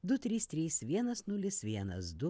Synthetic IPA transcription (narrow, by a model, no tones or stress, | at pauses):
d̪ʊt̪ʲɾʲiːst̪ʲɾʲiːsʋʲiɛnɐsnʊlʲɪsʋʲiɛnɐ̰sd̪ʊ